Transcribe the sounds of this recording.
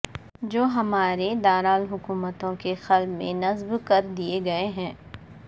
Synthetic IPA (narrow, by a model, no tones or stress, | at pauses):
d͡ʒoːɦɐmaːɾed̪aːɾaːlɦʊkuːmət̪õkexɐlbmḛ̃nɐzbkɐɾd̪ieɡɐeɦɛ̃ː